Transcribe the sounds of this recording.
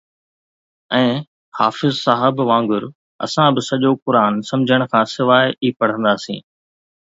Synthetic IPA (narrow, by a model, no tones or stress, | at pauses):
ɛ̃ː | ha̰ːfɪzsaːɦɪbʋãːŋɡʊɾ | ɐ̰sãbɪsɐʄokʊɾaːnsɐ̃md͡ʑʱəɽ̃̆kʰãːsɪʋaːɪiːpɐɽ̤ə̃nd̪aːsḭ̃ː